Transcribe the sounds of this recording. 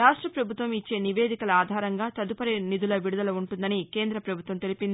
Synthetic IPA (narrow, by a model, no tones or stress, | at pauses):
ɾaːʂʈɾɐpɾɐbʱut̪ʋɐmit͡ʃːe̞ːniʋe̞ːd̪ikɐlɐaːd̪ʱaːɾɐŋɡaːt̪ɐd̪upɐɾinid̪ulɐʋiɽud̪ɐlɐuɳʈund̪ɐnikeːnd̪ɾɐpɾɐbʱut̪ʋɐmt̪e̞lipind̪ii